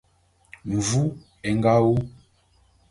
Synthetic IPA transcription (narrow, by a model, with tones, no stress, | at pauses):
ɱ˨vu˦ | ɛ˨ŋ˦ɡa˦wu˦